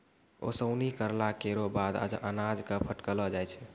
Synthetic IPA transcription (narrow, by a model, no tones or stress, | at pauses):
o̰səʊnikəɾlakeɾobad̪a̰d͡ʒʔənad͡ʒkəpʰəʈkəlɔd͡ʒajt͡ʃʰɛ